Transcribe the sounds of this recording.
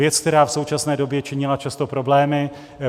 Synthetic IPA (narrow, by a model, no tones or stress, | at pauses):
jɛt͡sk̚t̪ɛɾaːfso̞wt͡ʃasnɛːdo̞bjɛt͡ʃɪɲɪlat͡ʃast̪o̞pɾo̞blɛːmɪ